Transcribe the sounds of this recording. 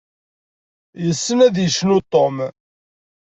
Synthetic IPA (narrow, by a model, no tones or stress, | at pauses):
jəsːənæðjəʃnut̪ˤːom